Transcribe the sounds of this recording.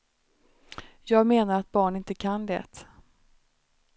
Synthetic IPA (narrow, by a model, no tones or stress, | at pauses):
jɑːɡmeːnaɾat̪̚bɑːɳɪnt̪əkʰand̪ɛ̰ːt̪